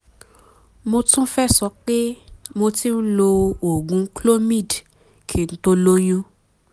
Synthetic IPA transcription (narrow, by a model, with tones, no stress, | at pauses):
mo˧tũ˦fɛ˦˨sɔ˨˦k͡pe˦mo˧ti˦n̩˦lo˧o˨ɡũ˨˦klo˦mĩ˦˨d | kʰi˦˨n̩˦to˦lo˦jũ˦